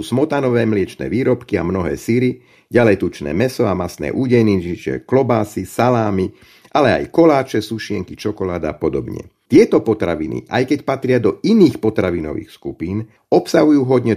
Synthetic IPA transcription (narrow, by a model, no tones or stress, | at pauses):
uːsmɔt̪anɔʋɛːmlɪɛt͡ʃnɛ̰ːʋiːɾɔpkiamnɔɦɛ̰ːsiɾi | ɟalɛjt̪ut͡ʃnɛ̰ːmɛsɔamasnɛ̰ːʔuːɟɛjniit͡ʃɪɛ̰klɔbaːsisalaːmi | ʔalɛa̰jkɔlaːt͡ʃɛsuʃɪɛŋkit͡ʃɔkɔlaːd̪aːpɔd̪ɔbɲɛ̰t̪ɪɛt̪ɔpɔt̪ɾaʋḭnḭʔa̰jkɛcpat̪ɾɪad̪ɔiniːxpɔt̪ɾaʋinɔ̰ʋḭːxskupiːn | ɔpsaɦujuːɦɔd̪ɲɛ